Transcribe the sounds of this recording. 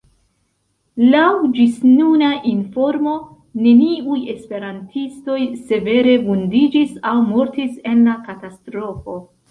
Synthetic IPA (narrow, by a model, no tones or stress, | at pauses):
lawd͡ʒisnunaʔinfo̞ɾmo̞ | ne̞niuje̞spe̞ɾantʰisto̞jse̞ve̞ɾe̞vundid͡ʒisawmoɾtise̞nlakatastɾo̞fo̞